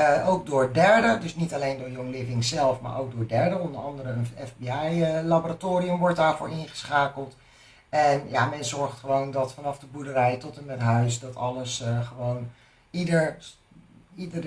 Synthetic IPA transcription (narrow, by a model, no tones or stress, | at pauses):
ʔowk̚dʊːɹdɛɹdədɵsnitalejndʊːɹjɔŋlɪvɪŋzɛlˠfma̰ːɹʔo̰wk̚dʊːɹdɛɹdəɔndəɹɑndəɾəənɛfbiɛjəlaboːɾatoːɾiəmʋɔɹt̚daːɹvʊ̰ːɹɪŋχə̥sχaːkəlˠt | ɛnja̰mɛnzɔɹχtχəʋowndɑtfɑnɑvdəbudəɾɛjtɔtənətɦœɥsdɑtɑləsχəʋown | idəɹ | idə